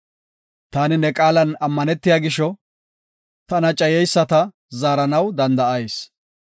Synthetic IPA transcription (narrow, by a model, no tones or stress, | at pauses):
t̪aːnɪnɛkʼaːlɐnɐmːɐnɛt̪ːɪjaːɡɪʃɔ | t̪ɐnɐt͡ʃʼːɐjɛjsːɐt̪ɐ | zaːɾɐnɐwd̪ɐnd̪ɐɐjs